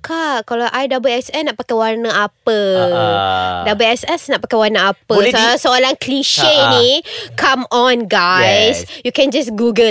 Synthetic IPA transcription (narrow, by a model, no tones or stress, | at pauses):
kakalawʔajdabuɛsɛnaʔpakajwarnəapə | dabuɛsɛsnaʔpakajwarnaapəssoolaŋkliʃenikʰamɔ̃nɡajsjukɛ̃nd͡ʒasɡuɡə